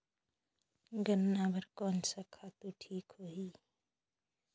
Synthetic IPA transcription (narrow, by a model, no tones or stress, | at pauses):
ɡənːabəɾkɔːnsakʰat̪oʈʰiːkɦoːɦiː